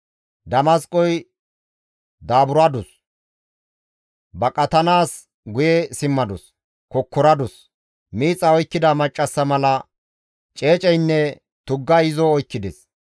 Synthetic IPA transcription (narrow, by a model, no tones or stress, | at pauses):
d̪ɐmɐskʼɔj | d̪aːbʊɾɐd̪ʊs | bɐkʼɐt̪ɐnaːs | ɡʊjesɪmːɐd̪ɔs | kɔkːɔɾɐd̪ʊs | miːt͡sʼːɐɔjkːɪd̪ɐmɐt͡ʃʼːɐsːɐmɐlɐ | t͡ʃʼe̞ːt͡ʃʼɛjnːɛ | t̪ʊɡːɐɪzɔɔjkːɪd̪ɛs